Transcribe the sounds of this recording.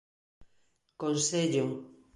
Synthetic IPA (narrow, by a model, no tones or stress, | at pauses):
konseʎo